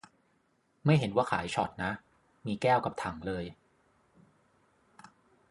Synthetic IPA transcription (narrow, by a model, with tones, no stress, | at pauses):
ma˥˩jɦe˩˦nwaː˥˩kʰa̰ː˩˦jt͡ɕʰɔ˨˩t̪̚na˦˥ | miː˧kɛː˥˩wka˨˩p̚t̪ʰa˨˩˦ŋlɤː˧j